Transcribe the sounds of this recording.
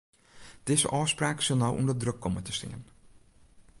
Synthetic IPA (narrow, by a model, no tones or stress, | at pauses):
d̥ɪzə̰ʔɔːspraːksɪlˠnɔwʔṵndərdrøkːɔmətə̥stɪ̰ŋə̰n